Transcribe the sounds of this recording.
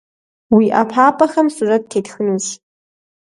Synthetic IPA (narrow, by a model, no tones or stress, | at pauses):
wiʔapʰapʰʼaxɐmsurat̚tʰejtxɨnuz